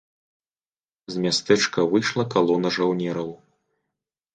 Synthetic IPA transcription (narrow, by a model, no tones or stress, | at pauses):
zmʲast̪ɛt͡ʂkɐvɨjʂlˠɐkalˠɔnɐʐawnʲɛɾɐw